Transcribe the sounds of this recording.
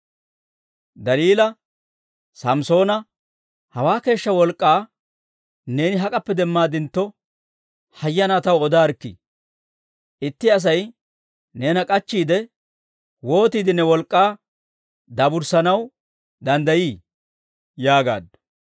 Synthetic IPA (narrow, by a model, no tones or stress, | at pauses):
d̪ɐliːlɐ | sɐmso̞ːnɐ | hɐwaːke̞ːʃːɐwɔlkʼːaː | ne̞ːnɪɦɐkʼɐpːɛd̪ɛmːaːd̪ɪnt̪ːɔ | hɐjːɐnaːt̪ɐwɔd̪aːɾkːɪ̰ | ʔɪt̪ːɪɐs̬ɐj | ne̞ːnɐkʼɐt͡ʃːiːd̪ɛ | wo̞ːt̪iːd̪ɪnːɛwɔlkʼːaː | d̪ɐbʊɾsɐnɐw | d̪ɐnd̪ɐjiː | jaːɡa̰ːd̪ɐ